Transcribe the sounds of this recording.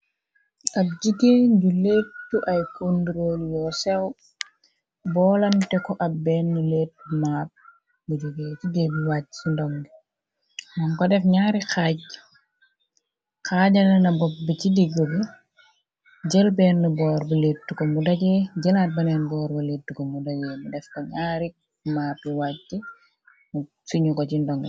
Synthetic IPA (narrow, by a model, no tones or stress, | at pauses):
ɐp̚d͡ʒiɡeɟuleːtːuʔɐjkondɾoljɔsɛw | bɔːlɐmtɛkɔʔɐp̚bɛːnːuleːt̚ːmaːt̚ | bud͡ʒuɡeciɡebiwaːt̚t͡ʃindɔŋɡi | mɐŋkɔdɛfɲaːɾixaːɟ̚ | kaːɟɐlɐnɐbɔp̚bicidiɡobi | ɟɛlbɛːnːubɔːrbɐleːtːukomudɐɟɛːɟɛlaːt̚bɐnɛnbɔːɾbɐletːukomudɐɟɛːmudɛfkɔɲaːɾi | maːpːiwaːcːi | mu | fiɲukɔcindɔŋɡi